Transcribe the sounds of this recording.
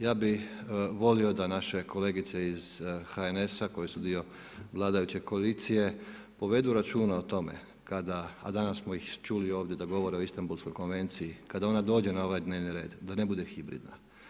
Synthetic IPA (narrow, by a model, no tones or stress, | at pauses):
jaːbiʋo̞lio̞d̪anaʃe̞kʰo̞le̞ːɡit̪se̞iz̥xaene̞sako̞jesud̪io̞ | ʋlˠaːd̪ajut͡ɕe̞koalit̪sije̞ | po̞ʋe̞d̪uɾat͡ʃuːnaot̪o̞me̞̰ | kad̪a̰ːd̪anassmoixt͡ʃulio̞ːʋd̪je̞d̪aɡo̞ʋo̞ɾeo̞ist̪ambulsko̞jko̞nʋe̞nt̪sijikad̪ao̞nad̪o̞ːd͡ʑe̞nao̞ʋajd̪neːʋniɾe̞ːd̪d̪ane̞bud̪e̞xibɾḭd̪na